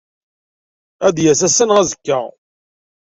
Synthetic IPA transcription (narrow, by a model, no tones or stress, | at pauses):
æd̪jæsæsənʁæzəkːæ